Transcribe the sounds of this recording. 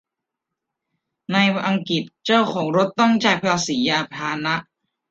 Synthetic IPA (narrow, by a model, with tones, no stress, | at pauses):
na˧jʔa˧ŋki˨˩t̪̚t͡ɕa˥˩wkʰɔː˩˦ŋɾo˦˥t̪ːɔ˥˩ŋt͡ɕa˧jpʰɾaː˧siː˩˦ʔa˧˩t̪ʰaː˧na˦˥ʔ